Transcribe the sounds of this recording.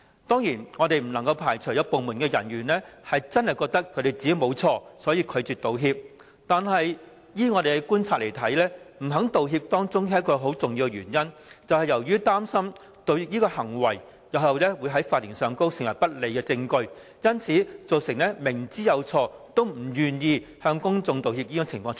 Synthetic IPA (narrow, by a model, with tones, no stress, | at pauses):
t̪ɔː˥ŋjiː˨˩nŋɔː˨˧t̪e˨jm̩˨˩lɐ˨˩ŋkɐ˧wpʰaː˨˩jt͡ʃʰɵ˨˩jɐ˧po˨wmuː˨˩nkɛː˧jɐ˨˩nɥyː˨˩nlɛː˥hɐ˨jt͡sɐ˥nhɐ˨jkɔː˧k̚t̪ɐ˥kʰɵ˨˧te˨˩jt͡siː˨˥jmo˨˧wt͡sʰɔː˧sɔː˨˥jiː˧kʰɵ˨˧t͡syː˨t̪̚o˨wɦiː˧p̚ | t̪aː˨nɦɐ˨j | jiː˥ŋɔː˧t̪e˨kɛ˧kuː˥nt͡sʰaː˧t̚le˨˩jt̪ʰɐ˨˥jlɛː˥m̩˨˩ɦɐ˨˥ŋt̪o˨wɦiː˧p̚t̪ɔː˥ŋt͡sʊ˥ŋ˥kɔː˧ɦo˨˥wt͡sʊ˨ŋjiː˧wkɛ˧ɥyː˨˩njɐ˥nt͡sɐ˨whɐ˨jɐ˨˩wjyː˥t̪aː˥msɐ˥m | t̪o˨wi˧jiː˥kɔː˧hɐ˨˩ŋwɐ˨˩j | jɐ˨˧wɐ˨wlɛː˥wuː˨˧jɦɐ˨˥jfaː˧t̚liː˨˩nsœː˨ŋko˥wsɪ˨˩ŋwɐ˨˩jpɐ˥t̚le˨jkɛː˧t͡sɪ˧ŋkɵ˧ɥ | jɐ˥nt͡sʰiː˨˥t͡so˨wsɪ˨˩ŋlɛː˥mɪ˨˩ŋt͡siː˥jɐ˨˧wt͡sʰɔː˧t̪o˥wm̩˨˩jyː˨njiː˧hœː˧ŋkʊ˥ŋt͡sʊ˨˧ŋt̪o˨whiː˧p̪̚iː˥kɔ˧t͡sʰɪ˨˩ŋfɔː˧ŋ